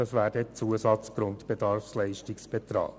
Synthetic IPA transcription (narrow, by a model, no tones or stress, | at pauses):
ɑsʋæːɾdət͡suəsɑt͡sɡ̥ɾʊntbɛdɑɾfslɛɪʃtɪksb̥ɛt̪ɾɑ̰ːk